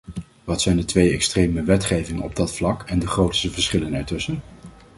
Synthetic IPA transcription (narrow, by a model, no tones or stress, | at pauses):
ʋɑtsɛjndətʋejɛkstrejməʋɛtχejvɪŋənɔ̰b̚dɑtflɑkɛndəχrowtstəvəɹsχɪlənɛɹtɵsən